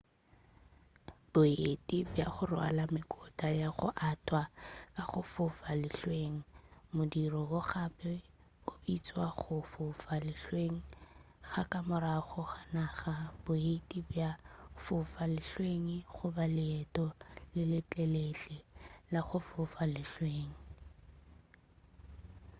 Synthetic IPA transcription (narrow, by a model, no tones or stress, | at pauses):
b̥ʊetʼibjaχʊrʊa̰lamɪkʼɔtʼajaχʊ̰ʔatʰʼwakʼaχʊfʊfalɪɬweŋ̩mʊdirɔʊχapɛ | ʊbit͡sʼwaχʊfʊfalɪɬweŋ̩ | χakʼamʊɾaχʊχanaχab̥ʊetʼibjafʊfalɪɬweŋiχʊbalɪɛtʼɔlɪlɪt͡ɬʼɛlet͡ɬʼɛlaχʊfʊfalɪɬweːŋ̩